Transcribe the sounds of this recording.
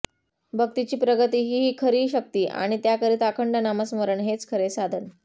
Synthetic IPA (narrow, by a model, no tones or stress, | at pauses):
bʱək̚t̪it͡ɕiːpɾəɡət̪iːɦiːɦiːkʰəɾiːɕək̚t̪iːʔa̰ɽ̃it̪jakəɾiːt̪akʰəɳɖənaməsməɾəɳɦet͡skʰəɾesad̪ʱəɳ